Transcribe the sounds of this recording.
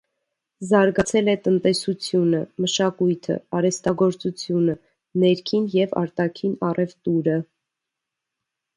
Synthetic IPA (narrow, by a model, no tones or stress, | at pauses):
zɑɾɡɑt͡sʰɛlɛt̪ənt̪ɛsut͡sʰjunəməʃɑkujt̪ʰə̰ɑɾɛst̪ɑɡɔɾt͡sut͡sʰjunə | nɛɾkʰinjɛvɑ̰ɾt̪ɑkʰinɑrʔɛvt̪uɾə